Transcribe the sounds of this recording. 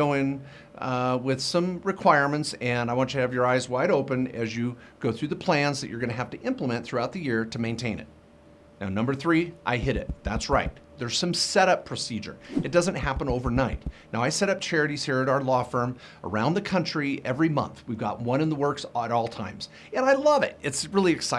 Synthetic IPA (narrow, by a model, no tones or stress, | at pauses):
oʊɪ̃n | wɪð̥sʌ̃mɹɨkʰw̥aɪɹmɨ̃ntsɨ̃naɪwɑ̃ntɨɨvjə˞aɪzwaɪɾoʊpɨ̃nɨzjɨ | ɡ̥oʊθɹʉðəpʰl̥æ̃nzðɨt͡ʃə˞ɡʌñɨɦæftɨʔɪ̃mpləmɨ̃nθɹʉaʊt̪̚ðɨjɪɹɾɨmẽɪ̃ntʰẽɪ̃nɨ̰t̚ | naʊnʌ̃mbə˞θɹiʔa̰ɪɦɪɾɪ̰t̪̚ðætsɹaɪt̪̚ | ðə˞z̥sʌ̃msɛɾʌpʰɹ̥ɨsid͡ʒə̰˞ɨt̚d̥ʌzɨ̃n̩ʔɦæpə̃noʊvə˞naɪtⁿnaʊaɪsɛɾʌp̚t͡ʃʰɛɹɨɾiz̥hiɹɨɾaʊə˞lɔfɜ̃˞m | ə̰˞ãʊ̃nðɨkʰʌ̃nt͡ʃɹ̥iɛvɹimʌ̰̃nθwivɡɑ̰t̚wʌ̃ñɨ̃nðəwɜ˞ksəɾɔlˠtʰã̰ɪ̃mz̥ | ɨ̃naɪlʌvɪ̰t̚ɨtsɹɪlˠiɨksaɪ